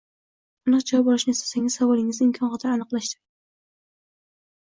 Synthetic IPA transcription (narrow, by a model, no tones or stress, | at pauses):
ʊnɨqd͡ʒɒjbɒlɪʃnɪest̪ḁsaŋɪzsavɒlɪŋɪzd̪ɪmkʰɒnʁɑt̪ʰaɾanɨqlaʃd̪ɪ̥